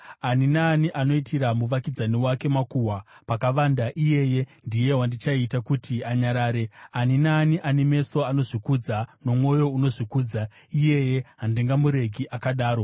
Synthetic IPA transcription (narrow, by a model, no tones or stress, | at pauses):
aninaːniʔano̞itʰiɾamuʋakid͡zaniwake̞makuwapakaʋandaʔije̞je̞ndije̞ɦwandit͡ʃaitakutiaɲaɾaːɾeaninaːniʔaneme̞so̞ano̞ʐikud͡zano̞mwo̞jo̞uno̞ʐikuːd͡za | ije̞je̞ɦandiŋɡamuɾe̞ɡʱiʔakaɗaːɾo̞